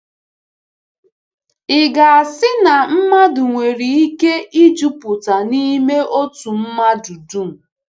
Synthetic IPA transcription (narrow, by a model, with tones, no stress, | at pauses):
ɪ˨ɡa˨a˨sɪ˦na˨m̩˦ma˦dʊ˨ŋʷe˨ɾi˨i˦ke˦i˦d͡ʒu˦pʊ˨ta˨ni˦me˦ʔo˦tu˨m̩˦ma˦du˨du˦m̩˨